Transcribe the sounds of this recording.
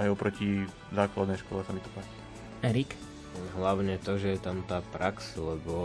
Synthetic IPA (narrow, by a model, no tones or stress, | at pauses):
ajɔpɾɔci | zaːklad̪nɛjʃkɔ̰lɛsamit̪ɔ̥paci̥ | ɛɾik | ɦlaʊɲɛt̪ɔʒɛjɛt̪amt̪aːpɾʔakslɛbɔ